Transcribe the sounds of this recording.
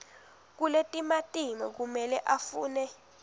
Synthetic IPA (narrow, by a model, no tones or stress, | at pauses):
k̬uletʼimatʼimak̬umɛlɛʔafuːnɛ